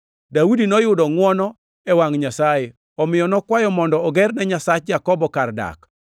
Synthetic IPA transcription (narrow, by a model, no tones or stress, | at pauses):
dawudinɔjʊdɔŋwɔnɔ | ɛwaŋɲasaje | ɔmɪjɔnɔkwajɔmɔndɔːɡɛrnɛɲasat͡ʃjakɔbɔkarda̰k